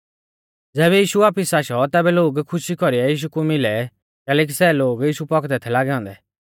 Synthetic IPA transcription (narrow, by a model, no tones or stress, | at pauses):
d͡zɛːbɛjiːʃuaːpɪsaːʃɔt̪ɛːbɛloːɡkʰʊʃikɔɾiɛjiːʃ̬ukumɪlɛ | kɛːlɛːk̬isɛːloːɡjiːʃupɔkd̪ɛt̪ʰɛlaːɡɛɦɔ̃ːnd̪ɛ